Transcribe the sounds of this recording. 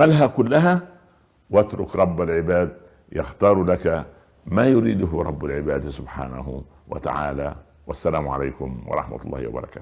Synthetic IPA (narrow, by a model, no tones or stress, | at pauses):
malɦakʊlːaɦa | wat̪ɾʊkɾˤɑbːalʕɪbaːd̪̚ | jɑxt̪ɑːɾˤlaka | maːjʊɾiːd̪ʊɦʊɾˤɑ̰bːalʕɪbaːd̪sʊbħaːna̰ɦ | wa̰t̪a̰ʕa̰ːlaː | wasːalaːmʊʕa̰laːkʊmwɑ̰ɾˤɑ̰ħma̰t̪ˤʊlˤːɑ̰ːhɪwɑ̰bɑɾˤɑ̰kḁː